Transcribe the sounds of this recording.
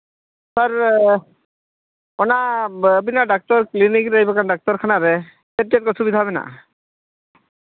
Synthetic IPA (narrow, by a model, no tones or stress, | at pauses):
saɾ | ɔnabinaɖak̚tɔɾklinikɾəjbakanɖak̚tɔɾkʰanaɾɛ | set̚iat̚kɔsʰubid̪ʱaaβɛna̰